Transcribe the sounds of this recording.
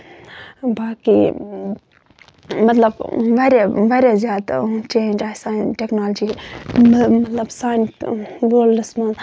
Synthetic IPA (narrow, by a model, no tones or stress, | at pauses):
baːkḭ | mɐt̪ləbʋɐɾjaʋɐɾjazjaːd̪t͡ʃeːnd͡ʒaːjsaːnʈeknaːld͡ʒi | mɐt̪lɐbsaːnʋoːllɐsman